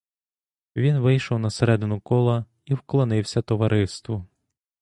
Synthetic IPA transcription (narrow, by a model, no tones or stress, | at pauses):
ʋʲinʋɪjʃɔwnɐseɾɛd̪ɪnʊkɔlˠɐ | iwklˠɔnɪwsʲɐt̪ɔʋɐɾɪst̪ʋʊ